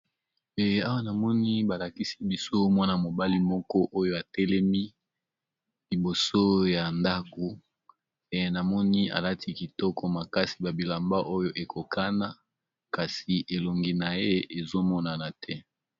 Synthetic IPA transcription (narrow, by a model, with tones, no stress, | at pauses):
e˨a˦wa˦na˨mɔ˦ni˦ba˨la˨ki˦si̥˦bi˦so˦mwa˦na˨mo˨ba˦li˦mɔ˦kɔ˦ʔo˦jo˦a˨tɛ˦lɛ˦mi˦ | li˨bo˨so˦ja˨nda˦ko˨ | e˨na˨mɔ˦ni˦a̰˨la˦tʰi˦ki˨tɔ˦kɔ˦ma˨ka˦si˨ba˨bi˨la˨mba˦ʔo˦jo˦ʔe˨kʰo˨kʰa˦na˦ | ka˨si˨ʔe˨lo˨ŋɡi˨na˨je˦e˨zo˦mɔ˦na˨na˨tʰɛ˦